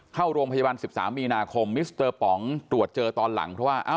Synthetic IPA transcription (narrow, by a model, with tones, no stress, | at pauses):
kʰa˥˩wɾu˧mpʰa˧jaː˧ba˧nsi˨˩p̚sa̰ː˩˦mːiː˧naː˧kʰo˧mːi˦˥st̪ɤː˧pɔ˩˦ŋt̪ɾu˨˩ət̪̚t͡ɕɤː˧t̪ɔː˧nla̰˩˦ŋpʰɾɔ˦˥waː˥˩ʔa˧˥˩